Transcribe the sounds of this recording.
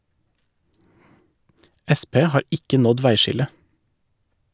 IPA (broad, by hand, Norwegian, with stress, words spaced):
ˈɛˌspeː ˈhɑːɾ ˈɪkə ˈnɔd ˈʋæɪˌʃɪlə